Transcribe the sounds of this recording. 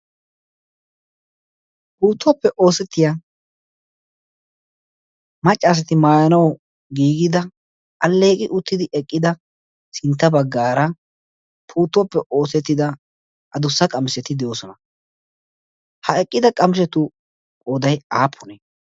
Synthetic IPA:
puːt̪ːwɔpːɛʔo̞ːsɛt̪ːɪja | mɐt͡ʃʼːaːs̬ɐt̪ɪmaːjɐnɐw | ɡiːɡɪd̪ɐ | ɐlːe̞ːkʼɪʔʊt̪ːɪd̪ɪʔɛkʼːɪd̪ɐ | sɪnt̪ːɐbɐɡːaːɾɐ | pʰuːt̪ːwɔpːɛʔo̞ːsɛt̪ːɪd̪ɐ | ʔɐd̪ʊsːɐkʼɐmɪsɛt̪ɪd̪ɛjoːsɔnɐ | hɐɛkʼːɪd̪ɐkʼɐmɪs̬ɛt̪ʊ | kʼoːd̪ɐjaːpʰːɔnɛ

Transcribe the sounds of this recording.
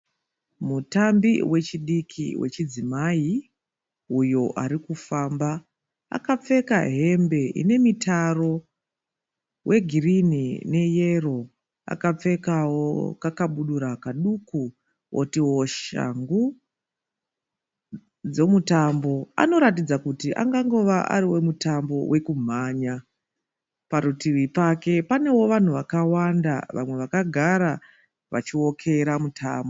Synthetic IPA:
mutambiwe̞t͡ʃiɗikʰḭwe̞̰t͡ʃid͡zimai | ujo̞ʔaɾikufamba | a̰kap͡fe̞kaɦe̞mbe̞ʔḭne̞mitaro̞ | wʔe̞ɡʱirinine̞je̞ro̞ | a̰kap͡fe̞kawokakaɓuɗuɾakaɗuku | wʔotiwo̞ʃa̰ŋɡu | d͡ze̞mutambo̞a̰no̞ɾatid͡zakutiʔa̰ŋɡaŋɡo̞ʋaʔa̰ɾiwe̞mutambo̞we̞kum̤aːɲa | paɾutiwipake̞pane̞wo̞ʋan̤uʋakawanda̰ʋa̰mwe̞ʋakaɡʱaɾa | ʋa̰t͡ʃiwo̞kʰe̞ɾamutʰaːmbo

